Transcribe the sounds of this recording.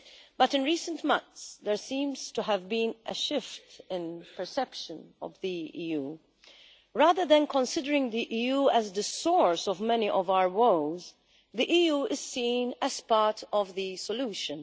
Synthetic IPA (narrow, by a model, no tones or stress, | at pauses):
b̥ʌtɪ̃nɹiːsə̃ntmʌ̃nθsðɛɹsĩːmz̥tuɦævbĩːnʔəʃɪft̪ɪ̃npɛɹsɛpʃə̃nɔ̰vðiiːjuː | ɹaːðə˞ðɛ̃nkɔ̃nsɪdəɹɪ̃ŋd̪iʔiːjuːɛzd̪əsɔɹsɔvmɛniʔɔvawə˞woʊz | ðiʔiːjuːɪz̥sĩːnɛz̥pɑɹtʰɔvðɨsɔluːʃɨ̃n